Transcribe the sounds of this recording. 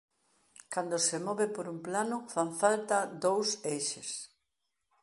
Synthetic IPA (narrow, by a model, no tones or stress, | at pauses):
kand̪ʊsɪmɔβɪpoɾumplanʊfaɱfalt̪ɐd̪owsejʃes